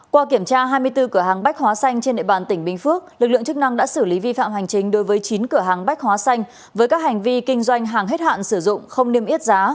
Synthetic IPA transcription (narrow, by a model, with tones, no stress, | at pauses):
kwaː˧ki˧˩əmt͡ɕaː˧ɦaː˧jmɨ˧əjt̪ɨ˧kɨ˧˩əɦaː˨˩ŋɓa˦˥k̟̚hwaː˨˦sa˧jŋ̟t͡ɕe˧nɗḛ˧˨ɓaː˨˩nt̪ï˧˩ŋ̟ɓï˧˩ŋ̟fɨ˦˥ək̚lɨ˨˩k̚lɨ̰˧˨əŋt͡ɕɨ˦˥k̚na˧ŋɗa̰ː˧˥sɨ˧˩li˨˦vi˧fa̰ː˧˨mha˨˩jŋ̟t͡ɕï˨˦ŋ̟ɗo˨˦jvəː˨˦jt͡ɕi˨˦nkɨ˧˩əɦaː˨˩ŋɓa˦˥k̟̚hwaː˨˦sa˧jŋ̟ | vəː˨˦jkaː˦˥k̚ha˨˩ŋ̟vi˧kï˧ŋ̟zwa˧jŋ̟ɦaː˨˩ŋɦe˦˥t̚ha̰ː˧˨nsɨ˧˩zʊ̰˧˨ŋ͡mxə˧wŋ͡mne˧əmʔi˦˥ət̚zaː˨˦